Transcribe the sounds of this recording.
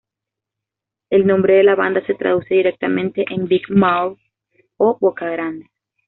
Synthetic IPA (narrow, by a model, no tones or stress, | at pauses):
e̞lnõ̞mbɾe̞ðe̞laβa̰nd̪ase̞t̪ɾa̰ðuseðiɾe̞k̚t̪amẽ̞nt̪e̞ʔembikmawɾ | oβokaɣɾand̪e